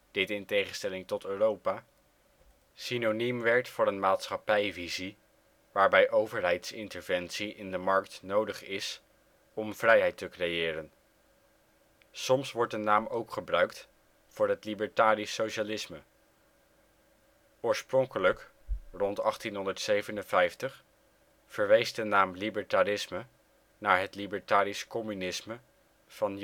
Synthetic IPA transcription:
d̥ɪtɪntejχənstɛlɪŋtɔtøːrowpaː | sinonimʋɛɹtfʊːɾənmaːtsχɑpɛjvizi | ʋaːɹbɛjʔowvəɹɦɛjtsɪntəɹvɛnsiʔɪndəmɑɹktnowdəχɪs | ɔmv̥rɛjɦɛjtəkrejɪːɾən | sɔmsʋɔɹtdənaːmowkχəbrœɥkt | fʊːɹɦətlibəɹtaːɾisːowʃalɪsmə | ʊːɹsprɔŋkələkrɔntɑχtinɦɔndəɹtsejvənənvɛjftəχ | fəɹʋejsdənaːmlibəɹtaɾɪsmə | naːɹɦətlibəɹtaːɾiskɔmynɪsmə | v̥ɑn

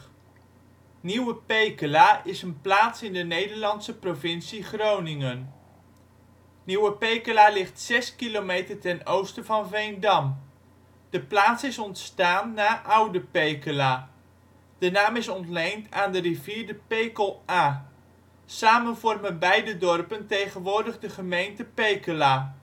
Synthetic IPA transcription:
niwəpejkəlaːɪsənplaːtsɪndənejdəɹlɑntsəprovɪnsiχrownɪŋən | niwəpejkəlaːlɪχtsɛskilomejtəɹtɛnowstəvɑnvɛjndɑm | d̥əplaːtsɪsɔntstaːnːaːʔʌwdəpejkəlaː | d̥ənaːmɪsɔntlejntʰaːndəriviːɹdəpejkəlˠaː | saːmənvɔrmənbɛjdədɔrpəntejχənʋʊːɹdəχdəχəmejntəpejkəlaː

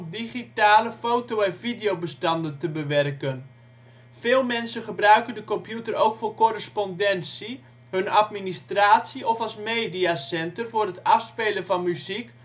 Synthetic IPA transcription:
diχitaːləfowtowɛnvidejowbəstɑndəntəbəʋɛrkən | feːlˠmɛnsənχəbrœɥkəndəkɔmpjutərowkfoːrkorəspɔndɛnsi | hɵnatministraːtsiɔfɑlˠsmeːdiasɛntərvʊːrɦətɑfspeːlənvɑnmyzik

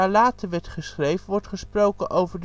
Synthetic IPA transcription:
aːɹlaːtəɹʋɛɹtχəsχrejvənʋɔɹtχəsprowkənʔowvəɹd

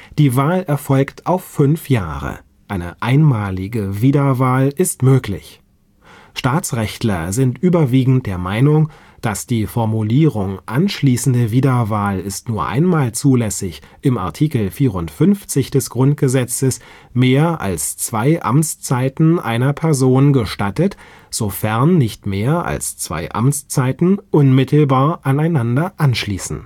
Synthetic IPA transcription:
d̥iːvaːlɛɐfɔlktʰʔaʊfːʏnfja̰ːʁə̰ | ʔaɪnə̰ʔaɪnmaːlɪɡəviːdɐvaːlɪstmøːklɪ̰ç | ʃtaːt͡sʁɛçtlɐ̰zɪntʔyːbɐviːɡŋ̩t̚d̥eːɐmaɪnʊŋ | d̥asd̥iːfɔɐmuliːʁʊŋʔanʃliːsn̩dəviːdɐvaːlɪstnuːɐʔa̰ɪnmaːlt͡suːlɛsɪç | ʔɪma̰ɐtʰiːkl̩fiːʁʊntfʏnft͡sɪçd̥ɛsɡ̥ʁʊnt̚ɡ̥əzɛt͡səs | meːɐʔa̰lst͡sv̥aɪʔa̰mt͡st͡saɪtn̩ʔa̰ɪnɐpʰɛɐzoːnɡəʃtatət | z̥ofɛɐnːɪçtmeːɐʔa̰lst͡sv̥a̰ɪʔa̰mt͡st͡saɪtn̩ʔʊnmɪtl̩baːɐʔanaɪnandɐʔanʃliːsn̩

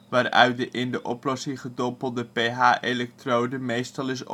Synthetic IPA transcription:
ʋaːrœ̰ɥt̚dəʔɪndəʔɔplɔsɪŋχədɔmpəlˠdəpejɦaːʔelɛk̚trowdəmejstɑlˠɪs

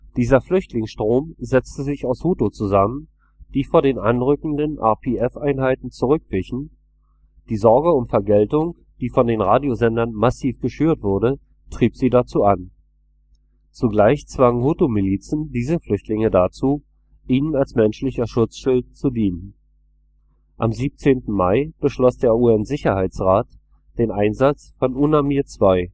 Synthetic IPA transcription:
d̥iːzɐflʏçtʰlɪŋsʃtʁ̥oːmzɛt͡stəzɪçaʊshutot͡suzamən | d̥iːfoːɐɾdeːnʔanʁʏkŋ̩dənʔa̰ɐpʰeɛfʔaɪnɦaɪtn̩t͡suʁʏkv̥ɪçn̩ | d̥iːzɔɐɡəʊmfɛɐɡɛltʊŋ | d̥iːfɔndeːnʁaːdjozɛndɐnmasiːfɡ̥əʃyːɐtv̥ʊɐdə | tʁ̥iːpz̥iːdat͡suːʔan | t͡suɡlaɪçt͡sv̥aŋəhutomiliːt͡sn̩diːzəflʏçtʰlɪŋədat͡suː | ʔiːnənalsmɛnʃlɪçɐʃʊt͡sʃʊlt̚t͡sudiːnən | ʔamziːp̚t͡seːntn̩maɪb̥əʃlɔsd̥eːɐuːɛnzɪçɐhaɪt͡sʁaːt | d̥eːnʔaɪnzat͡sfɔnʔʊnamiːɐtt͡sv̥aɪ

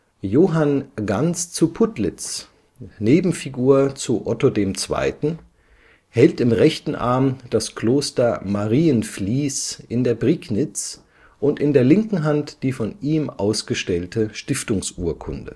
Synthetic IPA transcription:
joːɦanɡant͡st͡supʰʊtlɪt͡s | neːbm̩fiɡuːɐt͡suʔɔtodeːmt͡sv̥a̰ɪtn̩ | hɛltɪmʁɛçtn̩ʔa̰ɐmd̥askloːstɐmaʁiːənfliːsʔɪndeːɐbʁiɡnɪt͡s | ʔʊntɪndeːɐlɪŋkŋ̩ɦantd̥iːfɔnʔiːmʔa̰ʊsɡ̥əʃtɛltəʃtɪftʊŋsʔuːɐkʰʊ̰ndə̰

